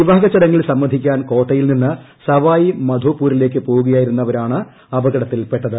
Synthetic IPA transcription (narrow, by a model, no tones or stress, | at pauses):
iʋaːɡɐt͡ɕːɐɽɐŋːiɭsɐmːɐd̪ʱikʲːaːnko̞ːʈːɐjilninːɨ | sɐʋaːjimɐd̪ʱoːpːuːɾile̞ːk̬ːɨpo̞ːɣuɣɐjaːjiɾunːɐʋɐɾaːɳɨ | ɐbɐɣɐɽɐt̪ːilpe̞ʈːɐðɨ